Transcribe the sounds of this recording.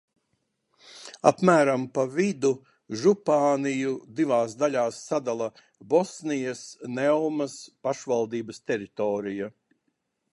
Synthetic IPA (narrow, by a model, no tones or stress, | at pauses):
a̰pmæːɾampavid̪u | ʒupaːnijud̪ivaːsd̪aʎʲaːsːad̪alˠɐ | bɔsnijɐsnɛwmɐspaʃvalˠd̪iːbɐst̪ɛɾit̪ɔːɾija